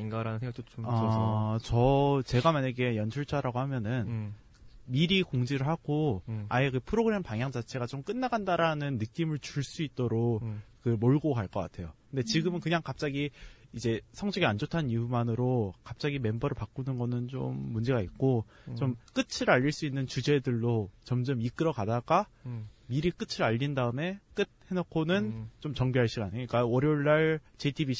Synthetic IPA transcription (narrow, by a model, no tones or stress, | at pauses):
iŋɡaɾanɯns̬ʰeŋɡat͈oat͡ɕʌt͡ɕe̞ɡamaɲeɡe̞jʌnt͡ɕʰuɭt͡ɕʰaɾaɡohamjʌnɯn | miɾikoŋd͡ʑiɾɯɭɦaɡ̥oajekɯpʰɯɾoɡɯɾe̞mpaŋɦjaŋd͡ʑat͡ɕʰe̞ɡat͡ɕomk͈ɯnːaɡandaɾanɯnːɯk͈imɯɭt͡ɕuɭs͈uit̚t͈oɾokkɯmoɭɡokaɭk͈ʌk͈a̰tʰe̞jokkɯnde̞t͡ɕiɡɯmɯnkɯɲaŋkap̚t͡ɕ͈aɡiid͡ʑe̞sʰʌŋd͡ʑʌɡiand͡ʑotʰaniumanɯɾokap̚t͡ɕ͈aɡime̞mbʌɾɯɭpak͈unɯnɡʌnɯnt͡ɕo̰mːund͡ʑe̞ɡaik̚k͈ot͡ɕomk͈ɯt͡ɕʰɯɾaʎːiɭs͈uinːɯnt͡ɕud͡ʑe̞dɯɭːot͡ɕʌmd͡ʑɯmik͈ɯɾʌkadaɡamiɾik͈ɯt͡ɕʰɯɾaʎːindaɯme̞k͈ɯt̚he̞nʌkʰonɯnt͡ɕomt͡ɕʌŋbiɦaɭɕ͈iɡanɯik͈awʌɾioɭːaɭt͡ɕetʰibi